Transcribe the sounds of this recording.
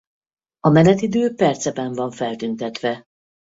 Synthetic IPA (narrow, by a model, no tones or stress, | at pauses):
ɒmɛnɛt̪id̪øːpɛrt̪sɛbɛɱvɒɱfɛlt̪ynt̪ɛt̪ʋɛ